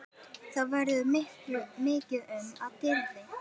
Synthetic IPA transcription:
θaðvɛɾɪðʏmɪhklʏmɪːcɪðʏmaðt̪ɪllɪ

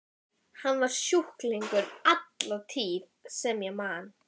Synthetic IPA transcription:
hanːvaɾ̥sjuhkliŋkʏɾat̪lat̪ʰiːðsɛmjɛɣmaːn

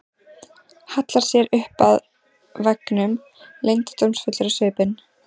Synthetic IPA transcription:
hat̪laɾ̥sjɛɾʏhpað | vɛknʏm | lejnt̪ɪ̥t̪owmsfʏt̪lʏɾʏsʏːpɪn

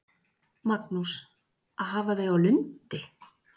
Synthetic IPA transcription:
mat̪nus | aðɦaːvaðejawlʏnt̪ɪ

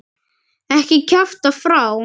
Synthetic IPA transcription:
ɛhkɪkʰaft̪afɾaw

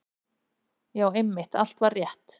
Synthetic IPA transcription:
jaːwɛmːɪht̪a̰l̥t̪vaɾːjɛht̪

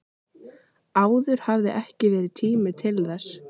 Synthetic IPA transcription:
aːwðʏɾ̥havðɪʔɛhcɪvɛːɾɪðt̪ʰiːmɪt̪ʰɪlθɛs

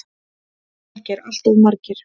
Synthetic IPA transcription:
cɛɾal̥t̪ɔðmaɾcɪɾ̥

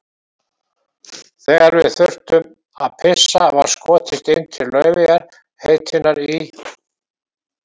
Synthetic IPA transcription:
θɛːɣaɾvɪðθʏr̥t̪ʏm | a̰ðpʰɪsːava̰ɾ̥skɔːt̪ʰɪst̪ɪnt̪ʰɪɾlœɥvɪjaɾ̥ | heːjt̪ʰɪnaɾi

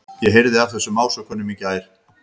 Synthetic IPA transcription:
jɛɦejɾðɪav̥θɛsːʏmaːwsœkʰœnːʏmicɪaːjɾ̥

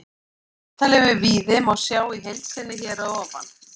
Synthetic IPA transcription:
θalɛvɪviːðɪmaɣsjaːwiɦejlt̪sɪnːɪçɛːɾaɔːpa̰n

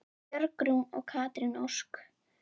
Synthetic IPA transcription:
jœɾkɾumɔ̰ɣkʰaːt̪ɾɪnowsk

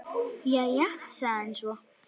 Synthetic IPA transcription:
jajasaːnd͡ʒwa

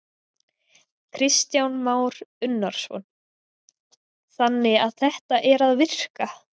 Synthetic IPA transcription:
kʰɾɪst̪jawnmaːwɾʏnːaɾ̥svɔ̰n | θanːɪaðθɛht̪aʔɛɾaðvɪr̥ka

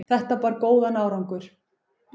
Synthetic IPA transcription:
θɛht̪apaːɾkoːwðanaːwɾawŋkʏɾ̥

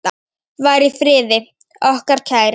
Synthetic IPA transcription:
vaːjɾifɾɪːðɪ | ɔhkaɾ̥tʰaːɣɾ

